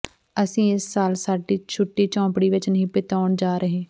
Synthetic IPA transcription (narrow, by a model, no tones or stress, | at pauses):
əsĩːɪsːaːlsaːɖiːt͡ʃʰʊʈːiːt͡ʃɔ̃ːpɽiːʋɪt͡ʃnəɦĩːpɪt̪aːɳd͡ʒaːɾəɦẽː